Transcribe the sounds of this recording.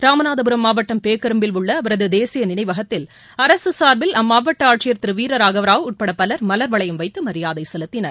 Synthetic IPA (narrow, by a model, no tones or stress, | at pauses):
ɾaːmɐnaːðɐbɯɾɐmːaːʋɐʈːɐmpeːkːɐɾɯmbɪlʊɭːɐːʋɐɾɐðɯd̪eːsɪjɐnɪnɐɪʋɐɣɐt̪ːɪl | ɐɾɐsɯsaːɾbɪlɐmːaːʋɐʈːɐaːʈt͡ʃɪjɐɾt̪ɪɾɯʋiːɾɐɾaːɣɐʋɐɾaːʋɯʊʈ̚pɐɽɐpːɐlɐɾmɐlɐɾʋɐɭɐjɐmʋɐɪt̪ːɯmɐɾɪjaːðɐɪsɛlɯt̪ːɪnɐɾ